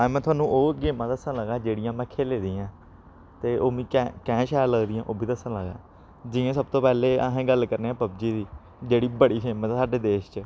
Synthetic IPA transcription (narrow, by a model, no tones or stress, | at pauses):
amɛ̃ːt̪ʊwaːnũːʔoːɡeːmãːt̪aəsãːləɡaːd͡ʒeːɽɪjãːmɛ̃ːkʰeːleːd̪iːãː | t̪eːʔoːmĩːkɛ̃ːkɛ̃ːʃaːjəɾləɡd̪iːãːʔoːbʱiːt̪əsãːləɡa̰ː | d͡ʒɪːẽːsəb̚t̪oːpɛːleːəɦẽːɡəlkəɾneːãːpəbd͡ʒiːd̪iː | d͡ʒeːɽiːbəɽiːseːmasaːɖeːd̪eːʃt͡ʃ